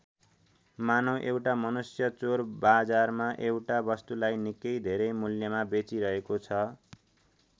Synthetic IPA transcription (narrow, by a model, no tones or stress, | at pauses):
manʌwʔewʈamʌnusjʌt͡sorbad͡zarmaʔewʈabʌst̪ulajnikʌjd̪ʱeɾʌmuljʌmabet͡siɾʌɦekot͡sʰʌ